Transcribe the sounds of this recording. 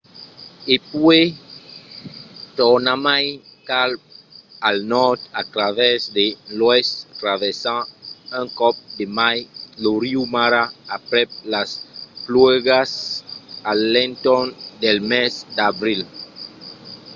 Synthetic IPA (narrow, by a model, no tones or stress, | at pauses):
epwe | t̪ɔɾnamajkal | alnɔɾt̪at̪ɾavɛsd̪elwest̪ɾavesããŋkɔp̚d̪emajloɾiumaɾaːpɾelasplweɣas | alːẽnt̪ɔnd̪elmesd̪abɾil